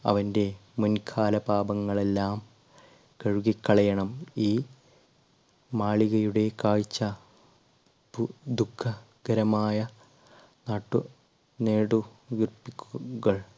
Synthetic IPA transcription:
ɐ̰ʋɐnde̞munkʰaːlɐpaːbɐŋːɐɭe̞lːaːm | kɐɻuɣikːɐɭɐjɐɳɐmiː | maːɭiɣɐjuɽe̞kaːɻit͡ɕːɐ | ud̪ukʰːɐ | ɡɐɾɐmaːjɐ | naːʈːu | ne̞ːɽuɡirpːikʲːuɣɐɭ

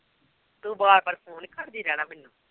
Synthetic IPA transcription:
t̪ũːbaːɾpəɾpʰoːnkʰəɾd̪iːɾɛːɽaːmɪnːũː

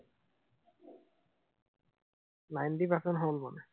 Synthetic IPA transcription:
lajndipasɔnɦolmanɛ

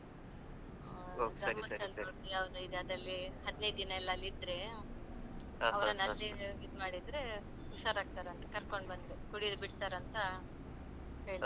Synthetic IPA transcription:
ɡ̪ɐɾmɐkɐloʈujaːʋd̪uid̪eɐd̪ɐlːiɦɐd̪nej̪d̪inɐɛlːɐːlːid̪ɾe̞ | ɐʋɐɾɐnɐlːiid̪maːɽid̪ɾe̞ | uʃaːɾaːɡ̚t̪aːɾɐnt̪ɐ̥kɐɾkoɳbɐnd̪ɾekuɽid̪biʈt̪aːɾɐnt̪ɐ | ɦe̞ːɭ

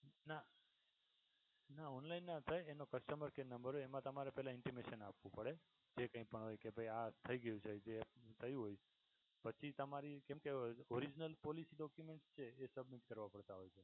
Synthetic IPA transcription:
na | naɔnlainːat̪ʰajenokəsʈəməɾkenəmbəɾɦoemãt̪əmaɾepɛɦlãɪɳʈimeʃənapʋũpəɽe | d͡ʒekə̃ĩpəɳɦojkebʱəjat̪ʰəiɡəjũt͡ʃʰed͡ʒet̪ʰəjũɦoj | pət͡ʃʰit̪əmaɾikɛ̃mkeɔɾid͡ʒnəlpɔlisiɖɔkjumeɳʈst͡ʃʰeːsəbmiʈkəɾʋãpəɽt̪aɦojt͡ʃʰe

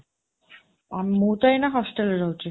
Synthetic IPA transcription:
amimuːt̪ajnaɦɔsʈelɾowt͡ɕʰi

